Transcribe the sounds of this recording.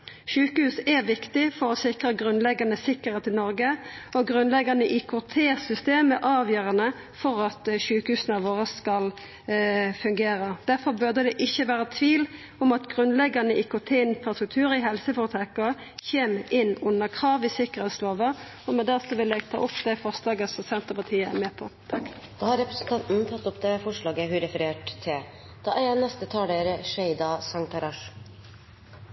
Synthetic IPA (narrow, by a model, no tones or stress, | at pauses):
ʃʉːkəhʉːsɛʋɪkt̪ɪfɔɾɔsɪkʁəɡɾʉnlɛɡɑnəsɪkəʁheːt̪ɪnɔɾɡəʔɔɡɾʉnlɛɡɑnəʔikʰʊt̪ʰeːsʏst̪eːməʔɑːʋjøːɾɑnə | fɔɾɑt̪ʃʉːkəhʉːsənɑʋoːʁəskɑl | fʉŋɡeːɾəd̪̥æʁfɔɾbœʁd̪əd̪ɛʔɪçːəʋæːɾət̪ʰʋiːl | ɔmɑt̪ɡʁʉnlɛɡɑnəʔɪkʰɔt̪ʰeːnpʰɑsɛkt̪ʰʉːɾɪɦɛlsəfɔʁt̪ʰʁɛkə | çeːmɪnːʊnːəʁkʰʁɑːʋɪsɪkəʁhɛt̪sloːʋə | ɔmɛd̪æʁsɔʋɪlæɡt̪ʰɑ̰ːʔʊpd̪æɪfɔʁslɑːɡəsɔsɛnt̪əpɑt̪ʰiːəæ̰mɛːpʰɔt̪ʰɑk | d̪̥ɑːhɑɾɛpɾəsn̩t̪ɑnt̪n̩t̪ʰɑt̪ːʊpd̪ɛfɔʂɭɑːɡəɦʉɾɛfəɾeːʈt̪ʰːɪl | d̪̥ɑːʔæɑnɛst̪ət̪ʰɑːɖ̪eɾʂɛɪd̪ɑsɑŋt̪ɑɾɑʂ